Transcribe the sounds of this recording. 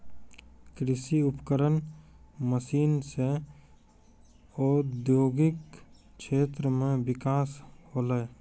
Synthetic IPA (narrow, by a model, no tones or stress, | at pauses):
kɾɪsiʊpkəɾənməsiːnse | ɔːd̪joːɡɪk | ʃeːt̪ɾəmẽbɪkaːshoːləː